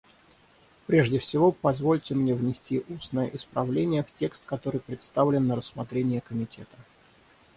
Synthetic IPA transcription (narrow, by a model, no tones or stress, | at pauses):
pɾʲe̞ʐdʲɪfsʲɪvo̞pɐzvo̞lʲtʲɪmnʲe̞vnʲɪsʲtʲiʔusnəjə̰ʔɪspɾɐvlʲenʲɪjəftʲe̞kst̪kɐt̪o̞ɾɨjpɾʲɪt̪st̪avlʲɪnːəɾəsːmɐt̪ɾʲenʲɪjəkəmʲɪtʲe̞t̪ə̥